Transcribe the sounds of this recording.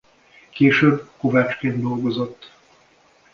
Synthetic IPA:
keːʃøːbːko̞vaːt͡ʃkeːnd̪d̪o̞lɡo̞zo̞t̪ː

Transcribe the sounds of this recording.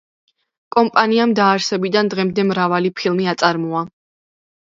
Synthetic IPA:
kʼɔmpʼaniamd̪aːɾsɛbid̪and̪ʁɛmd̪ɛmɾavalipʰilˠmiat̪sʼaɾmɔa

